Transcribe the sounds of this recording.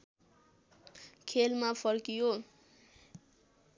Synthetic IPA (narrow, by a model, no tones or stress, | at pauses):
kʰelmapʰʌrkijo